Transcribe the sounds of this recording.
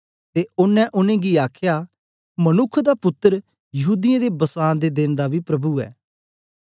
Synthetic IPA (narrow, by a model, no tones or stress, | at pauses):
t̪eʊnːɛ̃ʔʊnẽɡiaːkʰja | mɐnʊkʰd̪apʊt̪ːəɾ | jɐɦuːd̪ɪjãd̪ebɐsaːnd̪ed̪ɪnd̪abʱipɾɐbuɛ̰ː